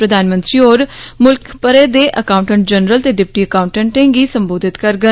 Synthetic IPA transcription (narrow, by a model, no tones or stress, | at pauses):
ɾəd̪aːnmə̃nt̪ɾiːoːɾmʊlkʰpəɾeːd̪eːʔəkaːʊ̃ɳʈə̃ɳʈ̚d͡ʒənɾəlt̪eːɖɪp̚ʈiːəkaːʊɳʈə̃ɳʈẽːɡiːsəmboːd̪ʱɪt̪kəɾɡə